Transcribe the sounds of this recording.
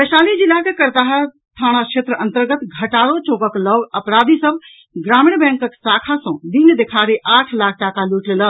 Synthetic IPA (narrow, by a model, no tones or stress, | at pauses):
bəʃalid͡ʒilakekəɾt̪aɦə | t̪ʰaɽ̃akʃʰet̪ɾəənt̪əɾɡət̪ɡʱəʈaɾot͡ʃokəkləɡəpɾad̪ʱisəb | ɡɾamiɳ̃bɛ̃ŋkəksakʰasə̃d̪ind̪ekʰaɾeʔaʈʰlak̚ʰʈakaluʈlelə